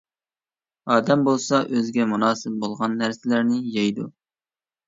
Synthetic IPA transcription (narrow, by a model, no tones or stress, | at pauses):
ɑːd̪ɛmbolˠsɑʔøzɡʲɛmunɑːsɪp̚bolˠʁɑnːæɾsɪlæɾnɪjɑjd̪u